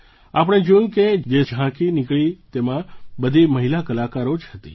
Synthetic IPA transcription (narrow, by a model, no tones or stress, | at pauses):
ap̬əɽ̃ed͡ʒojũked͡ʒed͡ʒʱãkinikɭit̪emãbəd̪ʱiməɦilakəlakaɾod͡ʒʰɦət̪ḭ